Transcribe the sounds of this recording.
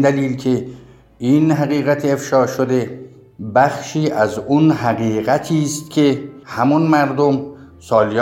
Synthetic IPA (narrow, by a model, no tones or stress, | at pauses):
d̪æliːlcʰe̞ | inɦæɣiːɣæt̪ʰːfʃɒːʃod̪e̞ | bæxʃiːʔæzunɦæɣiːɣæt̪ʰiːst̪̚cʰe̞hæmunmæɾd̪om | sɒːlij